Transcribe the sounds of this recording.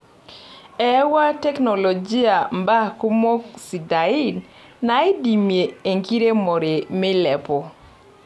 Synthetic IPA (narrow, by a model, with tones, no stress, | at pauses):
ɛ˦wa˦tɛ˦kno˨lo˨d͡ʒi˦a˨mba˦ku˦mo˦ksi˨da˨i˦n | na˨˦e˦di˨mje˨e˨ŋki˦ɾe˦mo˨ɾe˨mɪ˦lɛ˨pɔ˨